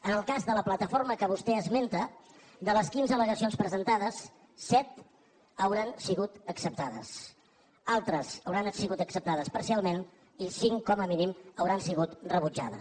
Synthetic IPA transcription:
ənəlˠkazðələplət̪əfoɾməkəβ̞ust̪ɛəzment̪ə | d̪ələskinzələɣəsionspɾəzənt̪aðəsː | ɛt̪ | əwɾansiɣut̪əksəp̚t̪aðə̰s | alˠt̪ɾəsəwɾanəsiɣut̪əksəp̚t̪að̞əspəɾsialˠmen | isiŋkɔməminiməwɾansiɣ̞ut̪rəβud͡ʒa̰ðə̰

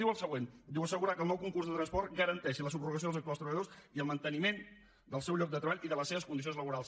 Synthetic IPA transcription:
iwəlˠsəɣwend̪iwəsəɣuɾakəlˠnɔwkuŋkurzðət̪ɾənspɔrt̪ɡəɾənt̪ɛʃiləsubruɣəs̬oðəzəkt̪uast̪ɾəβəʎəðosiəlˠmənt̪ənimen | d̪əlˠsɛwʎɔk̚d̪ət̪ɾəβaʎʔiðələsːeβəskund̪is̬ionzləβuɾalˠs

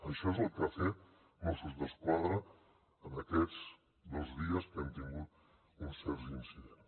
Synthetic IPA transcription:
əʃɔezəlˠkəafe | mosuzðəskwaðɾə | ənəkɛd͡z | d̪ozðiəskɛmt̪iŋɡut̪̚ | unsːɛɾzinsiðens

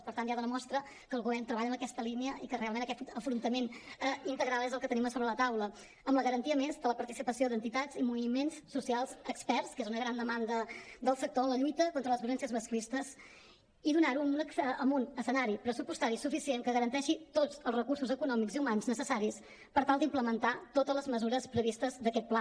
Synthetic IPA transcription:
pəɾt̪anʒaðənəmɔst̪ɾə | kəːlˠɣuβɛrnt̪ɾəβaʎəmbəkɛst̪əliniəʔikərealˠmẽnəkɛt̪əfɾunt̪əmenəint̪əɣɾalˠezəlˠkət̪əniməsoβɾələt̪awlə | əmləɣəɾənt̪iəmezðələpəɾt̪isipəsiod̪ənt̪it̪azimuβimenssusialˠzəkspɛrskezunəɣɾand̪əmand̪əd̪əlˠsək̚t̪oənləʎujt̪əkont̪ɾələzβjulɛnsiəzməsklist̪əz | iðunaɾuməmbunəsənaɾipɾəsupust̪aɾisufisieŋkəɣəɾənt̪ɛʃit̪od͡zəlˠzrəkuɾsuzəkunɔmikziumanznəsəsaɾis | pəɾt̪alˠd̪impləmənt̪at̪ot̪əzləzməzuɾəspɾəβist̪əzd̪əkɛt̪̚pla

